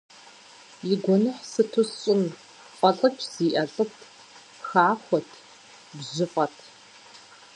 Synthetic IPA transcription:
jiɡʷɔnɨħsɨtʰʊsɕʼɪm | qʷʼɐɬʼɨt͡ʃʰz̥iːʔɐɬʼɨtʰ | xaːxʷɔtʰ | bʑɪfʼɐtʰ

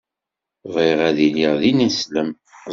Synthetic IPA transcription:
vˤiʁæðiliʁðinisləm

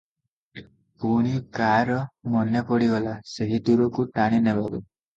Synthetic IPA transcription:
puɽ̃ikaɾɔmɔnjɔpɔɽiɡɔlaseɦit̪uɾɔkuʈaɽ̃inebʱaɡɔ

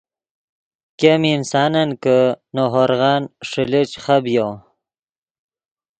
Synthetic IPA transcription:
keminsɑːnankənoɦoɾɣɑːnʂəlet͡ʃχabjow

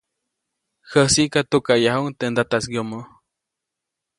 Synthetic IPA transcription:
həsikat̪ukajaɦuŋt̪end̪at̪asɡjomo

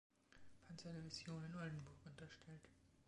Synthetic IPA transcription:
pʰant͡sɐdɛvɪzjoːnɪnʔɔldn̩bʊɐkʔʊntɐʃtʰɛlt

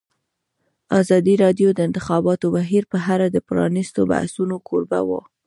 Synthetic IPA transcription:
ɑzɑd̪iɾɑd̪jod̪əɪnt̪ɪxɑbɑt̪obaɦiɾpəɦaɾad̪əpɾɑ̰nist̪oba̰hsunokʰoɾba̰wo̰

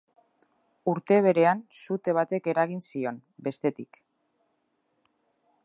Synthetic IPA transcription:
uɾt̪e̞β̞e̞ɾe̞ansut̪e̞β̞at̪e̞ke̞ɾaɣ̞insio̞nbe̞st̪e̞t̪ik

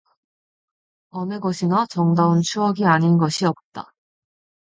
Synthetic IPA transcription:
ʌnɯɡʌɕʰinat͡ɕʌŋdaunt͡ɕʰuʌɡiaɲinɡʌɕʰiʌp̚t͈a

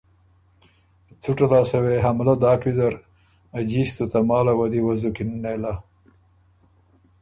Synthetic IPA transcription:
t͡suʈalɑːsaweɦamlad̪ɑːkizaɾ | ad͡ʒist̪ot̪amɑːlawad̪iwazukinnela

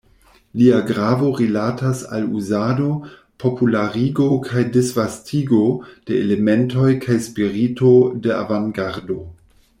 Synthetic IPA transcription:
liaɡɾavo̞ɾilatasa̰luzado̞ | pʰo̞pulaɾiɡo̞kʰajdisvastʰiɡod̥eeleme̞nto̞jkʰajspiɾito̞dea̰vaŋɡaɾdo̞

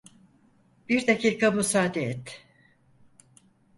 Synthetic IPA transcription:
b̥iɾd̪acʰiːkamusaːd̪eɛt̪

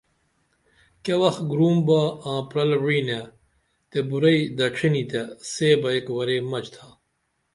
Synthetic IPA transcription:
kewɐxɡɾuːmbaãːpɾɐlɻiːne | t̪ebuɾɐid̪ɐʈ͡ʂʰinit̪eseːbɐekwɐɾeːmɐt͡ɕt̪ʰa

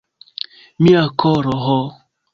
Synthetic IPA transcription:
miakʰɔɾɔɦɔ

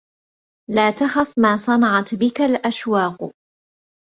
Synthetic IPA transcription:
laːt̪axafmaːsˤɑnɑʕɑt̪bɪkalʔaʃwɑːq

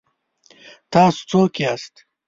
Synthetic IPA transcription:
t̪aːsu̥t͡soːkiaːst̪

